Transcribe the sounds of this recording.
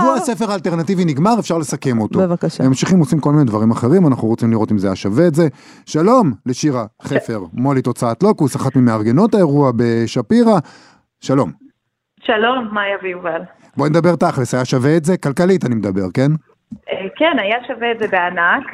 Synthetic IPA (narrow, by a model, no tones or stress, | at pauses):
oasefeʁaːlte̞ʁnativiniɡmaʁefʃaʁle̞sake̞mot̪ovakaʃmamʃiχimosimko̞lminedvaʁimaχe̞ʁimanaχnuʁot͡simliʁo̞timzeajaʃaveːtze̞ | ʃalo̞mleʃiʁaχefe̞ʁmo̞lit̪o̞t͡saatlo̞kusaχatmimeaʁɡe̞no̞tae̞ʁuabe̞ʃapiʁa | ʃalo̞m | ʃalo̞mːajaviuval | bo̞ned̪abe̞ʁt̪aχlesajaʃaveːtze̞kalkalitanimed̪abe̞ʁke̞n | ekenajaʃaveetzebeanak